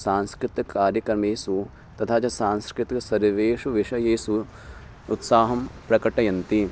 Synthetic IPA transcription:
saːnskɾɪt̪ɐkːaːɾjɐkɾɐmeːsu | t̪ɐt̪ʰaːt͡ʃɐsaːnskɾɪt̪iksɐɾʋeːʂuʋiʂɐjeːsuː | t̪saːɦɐmpɾɐkɐʈɐjɐnt̪i

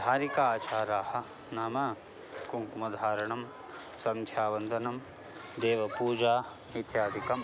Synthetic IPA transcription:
d̪ʱaːɾikaːt͡ʃaːɾaːhɐ̆ | naːmɐ | kuŋkumɐd̪ʱaːɾɐɳɐm | sɐ̃nt̪ʰjaːʋɐnd̪ʱɐnɐm | d̪eːʋɐpuːd͡ʒaː | it̪jaːd̪ʱikɐm

